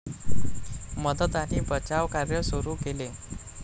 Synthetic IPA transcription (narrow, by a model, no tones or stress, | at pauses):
məd̪ət̪aniːbət͡ɕaʋkaɾjəsuɾuːkele